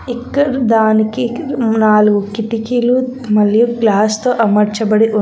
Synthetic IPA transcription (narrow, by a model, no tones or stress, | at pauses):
ikːɐɽid̪aːnikinaːluɡukiʈikiːlumɐljuklaːst̪oːʔɐmɐɾt͡ʃɐbɐɽiʔu